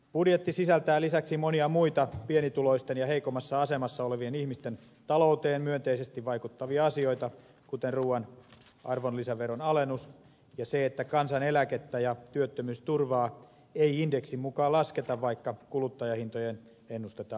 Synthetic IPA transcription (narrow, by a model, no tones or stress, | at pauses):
pudjet̪ːisisælt̪æːlisæksimoniɑmuit̪ɑpienit̪ulo̞ist̪enjɑɦeikomɑsːɑɑse̞mɑsːɑoleʋienihmist̪en | t̪ɑlout̪eːmmyønt̪eisest̪iʋʋɑikut̪ːɑʋiɑɑsio̞it̪ɑ | kut̪enruːɑn | ɑrʋonlisæʋeɾonɑlenːus | jɑseet̪ːækɑnsɑne̞læket̪ːæjɑt̪yøt̪ːømyːst̪urʋɑː | eiindeksimmukɑːlɑsket̪ɑʋʋɑikːɑkulut̪ːɑjɑhint̪ojen | enːust̪et̪ɑː